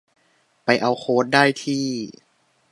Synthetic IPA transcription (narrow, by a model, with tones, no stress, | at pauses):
pa˧jʔa˧wxʰoː˧˥˦t̪̚daː˥˩jt̪ʰiː˥˩